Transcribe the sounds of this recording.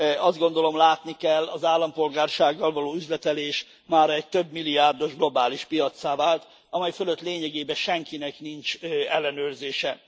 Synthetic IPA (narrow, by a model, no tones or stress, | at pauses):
ɒzd̪ɡo̞n̪d̪o̞lo̞mlaːt̪nikɛlːɒzaːlːɒmpo̞lɡaːrʃaːɡːɒlvɒloːyzlɛt̪ɛleːʃ | maːɾɛɟ̚t̪ø̞bmilːiaːrd̪o̞ʒɡlo̞baːliʃpijɒt̪saːvaːlt̪ | ɒmɛjfølø̞t̪leːɲɛɡeːbɛʃɛŋkinɛknint͡ʃɛlːɛnøːrzeːʃɛ